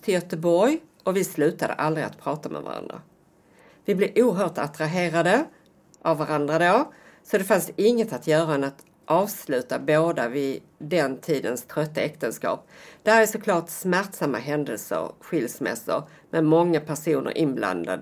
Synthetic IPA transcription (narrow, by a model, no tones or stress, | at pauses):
t̪ʰɪljœt̪əbɔɾj | ɔvɪslʉ̟ːt̪ad̪ə̰ʔald̪ɾɪa̰t̪pʰɾɑːt̪amɛ̰va̰ɾa̰nd̪ɾa̰ | vɪblɪɾʔuːɦœːʈat̪ɾaɦeːɾad̪ə | ʔavːaɾand̪ɾad̪oː | sɔd̪ɛfansɪŋːət̪at̪jœːɾaɛnat̪ | ʔɑːvslʉ̟ːt̪aboːd̪avɪ | d̪ɛnt̪ʰiːd̪ənst̪ʰɾœt̪ːaɛkt̪ənskɑ̰ːp̚d̪ɛhæɾæsɔkʰlɑːʈsmæɾʈsamːa̰ɦɛnd̪əlsə̰ɾɧɪlsmɛ̰sə̰ɾ | mɛmɔŋːapʰæʂuːnə̰ɾʔɪnbla̰nd̪a̰d̪ə